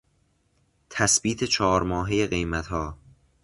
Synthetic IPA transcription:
t̪ʰæsbiːt̪ʰe̞t͡ʃʰɒːɾmɒːɦeje̞ɣe̞jmæt̪hɒː

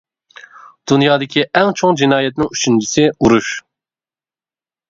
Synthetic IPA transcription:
d̪̥unjɑːd̪ɪkʲʰiʔɛŋt͡ʃʰoŋd͡ʒinɑːjɛt̪nɪŋyt͡ʃʰynt͡ʃʰisɪuɾuʃ

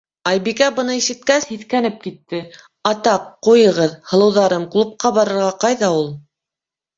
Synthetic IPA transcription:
ɑjbikæbɤ̆nɤiʃɘ̆t̪̚kæshiθkænɘp̚kit̪ːɘ | ɑt̪ɑqːujɤ̆ʁɤðhɤ̆lˠɤ̆wðɑɾɤmklˠup̚qɑβɑɾɤ̆ɾʁɑqɑjðɑulˠ

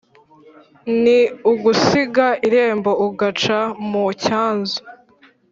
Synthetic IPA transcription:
niuɡusiɡaiɾe̞ːmbo̞uɡat͡ʃamucaːnzu

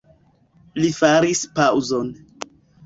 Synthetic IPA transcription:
lifaɾispawzon

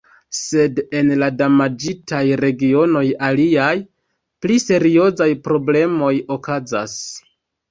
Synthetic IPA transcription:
se̞de̞nladamad͡ʒitajɾe̞ɡio̞no̞jaliaj | plise̞ɾio̞zajpɾo̞ble̞mo̞jo̞kaza̰s

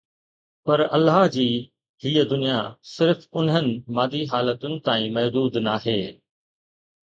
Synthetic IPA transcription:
pɐɾɐlːaːɦd͡ʑiː | ɦiːəd̪ʊnijasɪɾfʊnɦənɪ̆maːd̪iɦaːlət̪ʊnɪ̆t̪aːĩmɐɦd̪uːd̪naɦeː

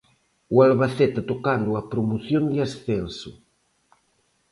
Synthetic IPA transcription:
ualβaθɛt̪at̪okand̪uapɾomoθjond̪ɪasθensʊ̰

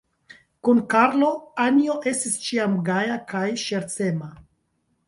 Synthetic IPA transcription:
kunkaɾlo̞anio̞ʔe̞stist͡ʃiamɡajakajʃe̞ɾt͡se̞ma

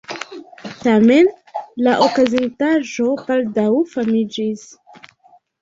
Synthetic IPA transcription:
tame̞n | laʔokazintaʒo̞baldawfamid͡ʒis

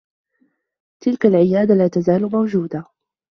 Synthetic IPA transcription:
t̪ɪlkalʕɪjaːd̪alaːt̪azaːlmawd͡ʒuːd̪a

